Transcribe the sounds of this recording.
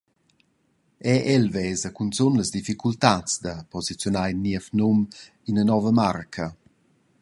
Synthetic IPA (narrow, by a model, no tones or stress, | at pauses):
ɛʔɛlvɛzəkunt͡sonləzd̪ifikult̪at͡sd̪əpɔzit͡sjɔnajnːiəfnɔm | inənɔvəmarkʰə